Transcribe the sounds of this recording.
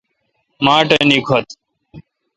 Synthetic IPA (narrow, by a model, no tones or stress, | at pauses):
mãːʈeniːkʰot̪